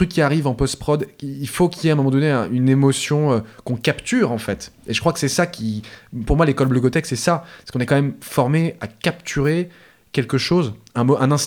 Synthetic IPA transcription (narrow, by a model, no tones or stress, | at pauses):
t̪ykʲːiaʁivɑ̃pɔst̪pχɔd̪iːlfokʲiljɛɛ̃mɔmɑ̃d̪ɔneɛ̃ynemɔsjɔ̃økɔ̃kapt̪yʁɑ̃fɛt̪eʒəkχwakə̥sɛsakʲʰipuʁmwalekɔlblyɡɔt̪ɛksɛsasə̥kɔ̃nɛkɑ̃mɛmfɔʁmeakapt̪ʰyʁe | kʲɛlkəʃozɛ̃mʔɛ̃nɛ̃s